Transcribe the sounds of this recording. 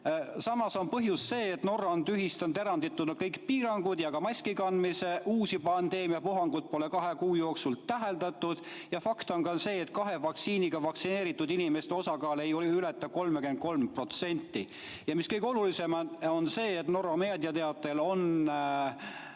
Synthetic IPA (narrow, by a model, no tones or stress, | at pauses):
sɑmɑso̞npɤɦjusːe̞ːt̪no̞rːɑnt̪yɦist̪ɑnd̪e̞ɾɑnd̪it̪ːˑud̪nu̥kɤjkpiːɾɑŋɡ̥ud̪̥jɑkɑmɑsʲkikɑnmise̞ʔuːsipɑnd̪e̞ːmiɑpuɦɑŋɡ̥ut̪̚po̞le̞kɑɦekuːjo̞ːksulæɦe̞ld̪ɑt̪ˑːud̪̥ | jɑfɑkt̪o̞nkɑse̞ːt̪kɑɦe̞vɑksiːniɡ̥ɑvɑksine̞ːɾit̪ːˑud̪inime̞st̪o̞sɑkɑːle̞jolylet̪ːˑɑko̞lmekend̪̚ko̞lmpro̞t̪se̞nʲt̪ːˑi | jɑmiskɤjɡ̥o̞lulise̞mo̞nse̞ːt̪no̞ɾomeːd̪̥iɑt̪e̞ɑt̪ːˑe̞lo̞n